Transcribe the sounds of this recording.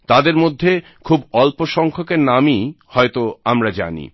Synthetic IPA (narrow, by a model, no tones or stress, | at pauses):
t̪ad̪eɾmod̪ʱːe | kʰubɔlpoʃɔŋkʰokeɾnamihɔet̪oamɾad͡ʑa̰nḭ